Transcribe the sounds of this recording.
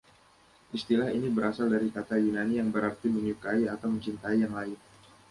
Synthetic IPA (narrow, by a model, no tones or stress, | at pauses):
ʔist̪ilahinibəɾasaldaɾikat̪ajunanijaŋbəɾart̪iməɲukaiat̪awməɲt͡ʃint̪aijaŋlaɪn